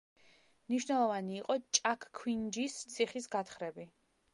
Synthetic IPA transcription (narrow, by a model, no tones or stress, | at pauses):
mniʃwnɛlˠɔvaniːqʼɔt͡ʃʼakʰkʰwind͡ʒist̪sʰiχisɡat̪χɾɛbi